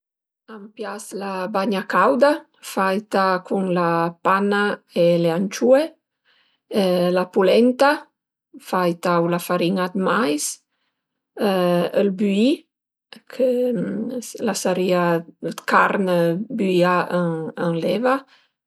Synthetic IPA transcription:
ampjaslabaɲakawd̪a | fajt̪akʰuŋlapanaeleant͡ʃue | lapulɛnt̪a | fajt̪awlafaɾiŋat̪majs | əlbyi | kʰə | lasaɾiakaɾnəbyiaəəŋlɛva

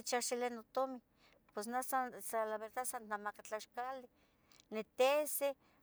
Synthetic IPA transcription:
t͡ʃaʃilenːot̪omi | pesnasasalaβeɾt̪asannamakat͡ɬaʃkali | net̪ese

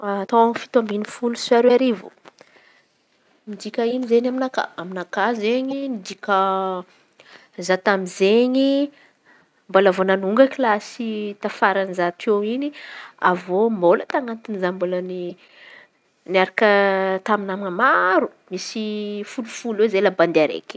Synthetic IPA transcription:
t̪aaŋfi̥t̪ambinifulusaɾeaɾivo̰ | mid̪ikʲəinizenaminaka̰aminakazeɲimid̪ikə | zat̪amizeɲi | mbolavonanuŋɡəklasit̪afaɾanzat̪owinia̰vomolət̪aŋant̪inizamboləni | niaɾakət̪aminaminamaɾu | misifulufulezelaband̪iaɾḛkʲi̥

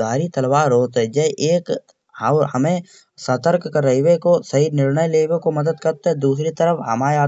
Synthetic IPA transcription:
aːɾit̪ɐlwaːɾoːt̪ɦɛd͡ʒɐʔeːk | hɐmẽ | sət̪əɾkkːəɾːəiwekosɐɦinɪɾnəjleːwekomɐd̪əd̪kɐɾt̪ɦɛ̃d̪uːsɾit̪əɾəfɦɐmaːaː

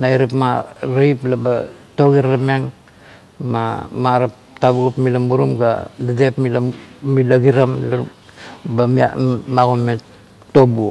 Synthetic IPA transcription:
naiɾepmaɾajplabato̞ɡiɾlamiaŋ | mamaɾap̚ | tabuɡupmilamuɾumɡa̰dadepmilamilaɡiɾamla | bamḭmaɣonme | tobu

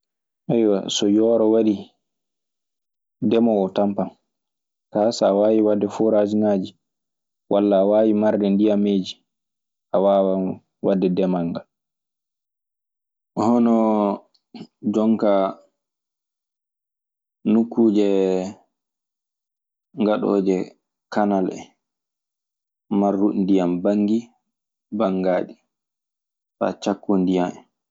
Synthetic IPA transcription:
ʔɛjwa̰sɔjɔːɾɔwaɾi | dɛmɔwɔtampan | kaːsaːwaːjiwadːɛfɔɾad͡ʒinaːd͡ʒi | wʔalːaːwaːjimaɾdɛndijameːd͡ʒi | ʔawaːwa | wadːɛdɛmaŋɡal | hɔnɔ | d͡ʒɔŋka | nukːuːd͡ʒɛ | ŋɡaɗɔ̰ːd͡ʒɛ | kanalɛ̰ | marːundijambaŋɡi | baŋɡaːɗi | fa̰t͡ʃakːundijamɛ

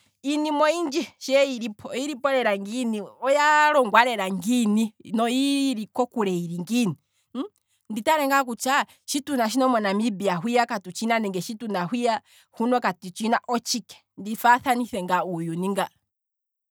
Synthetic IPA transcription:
inimɔind͡ʒɛʃɛiɾipʰɔiɾipɔɾɛɾaŋɡiniɔjaɾɔŋɡwaɾɛɾaŋɡininɔiɾikɔkuɾɛiɾiŋɡini | nditaɾɛŋɡakut͡ʃa | ʃitunaʃ̬inɔmɛnamibiaɦwijakatut͡ʃinanɛŋɡɛʃitunahwija | hunɔkatut͡ʃinaʔɔt͡ʃikɛ̥ | ndifaθaniθɛŋɡaujuniŋɡa

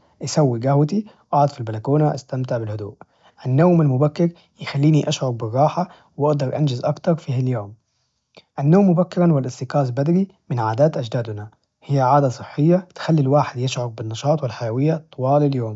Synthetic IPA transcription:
ʔasawːiɡahwat̪i | ʔɑʕʊd̪filbalakuːnaʔa̰st̪amt̪ɪʕbɪlhʊd̪uːʔ | ʔanːawmalmʊbakːɪɾ | jɪxalːiːniʔaʃʕʊɾbɪrˤːɑːħa | wʔɑʔd̪ɑɾˤʔa̰nd͡ʒɪzʔɑkt̪ɑɾˤfihaljoːm | ʔanːoːmːʊbakːɪɾɑnwɪlʔɪst̪ɪqɑːsbad̪ɾi | mɪnʕaːd̪aːt̪ʔad͡ʒd̪aːd̪na | hɪjːaʕaːd̪asˤɨħːɪjːat̪xalːilwaːħɪd̪jɪʃʕʊɾbɪnːɑʃɑːt̪ˤwɪlħajawɪjːat̪ˤːɑwɑːlaljoːm

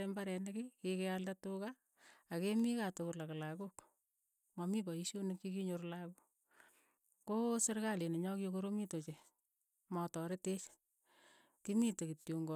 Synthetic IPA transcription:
embaɾɛnekɪkikealdatʊkaː | kemikatokʊlaklakuk | mɔmibɔiʃonekːikiɲoɾlaku | kosɪrkaleneɲɔkjokoɾomitot͡ʃe | mɔtɔɾetet͡ʃ | kimitekitjoŋɡo

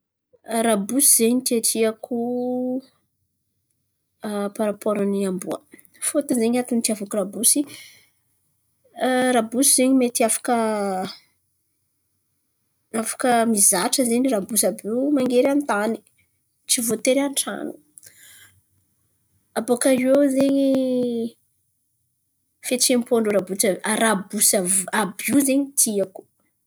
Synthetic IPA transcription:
rabusiz̥eɲt̪iaʈ͡ʂʰiakʰu | paɾapoɾaniambuə̰ | fot̪unzeɲat̪unt̪iavukuɾabusi | rabusizeɲimet̪iafḁkə | afḁkəmizaʈ͡ʂəzeɲirabusabimaŋɡeɾanit̪ani̥ | t͡sivot̪eɾanʈ͡ʂa̰nu̥ | abokaʒewzeɲi | fet͡sempoɳɖ͡ʐuɾabut͡saaɾabusaabiuzeɲit̪ʰiaku̥

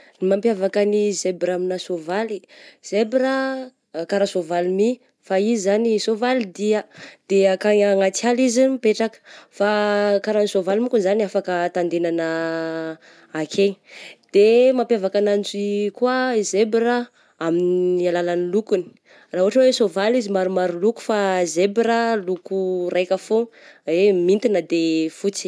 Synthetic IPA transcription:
nimampjavakənizebɾaminasovaliz̥ebɾə | kaɾasovalimi | faizanisovalid̪iad̪̥eakaaŋat͡salizimipeʈ͡ʂakə̥fakaɾanisovalimikunzaniafakət̪and̪enanə | kʰed̪̥emapjavakanand͡ʒikwazebiɾa | aminialalanilukuni̥ | raɦuɦaʈ͡ʂəwesovalizimaɾumaɾuluku̥fazebɾalukurajkəfoemint̪inəd̪efut͡si̥

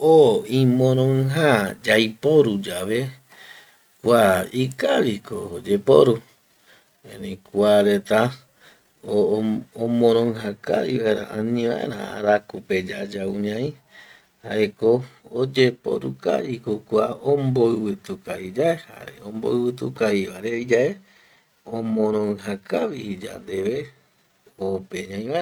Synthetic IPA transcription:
oĩmõɾ̃õɦad͡ʒajpoɾud͡ʒaβe | kʷaikaɾikod͡ʒepo̰ɾu | ẽɾeikʷaɾet̪a | oomõɾ̃õɦaka̰ɾḭʋaeɾa̰ʔãnĩʋãʔḛɾã̰a̰ɾakuped͡ʒad͡ʒauɲãĩ | haʔekoːd͡ʒe̞po̰ɾṵka̰ɾikokʷaomboɨβɨt̪ukaid͡ʒaeha̰ɾeõmbo̰ɨβɨt̪ukaiβaɾeid͡ʒae | õmõɾ̃õɨ̃ɦakaβid͡ʒa̰nd̪eβe | opeɲãj̃βae

